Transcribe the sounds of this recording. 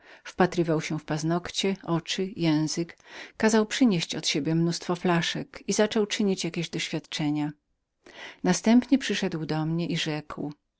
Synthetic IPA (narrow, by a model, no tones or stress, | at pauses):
fpat̪ɾɘvawɕɛfpaznɔkt͡ɕɛʔɔt͡ʂɘjɛ̃w̃zɘkːazawpʂɘɲeɕt͡ɕɔt̪ɕebʲjɛmnust̪fɔflaʂɛkizat͡ʂɔwt͡ʂɘɲit͡ɕjakʲeʑd̪ɔɕfʲjat̪t͡ʂɛɲa | nast̪ɛmpɲɛpʂɘʂɛd̪wd̪ɔmɲɛʔiʐɛkw